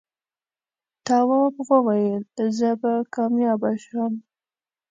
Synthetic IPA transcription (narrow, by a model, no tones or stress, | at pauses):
t̪ɑwɑbɣəwajəlzəbakɑmjɑbaʃam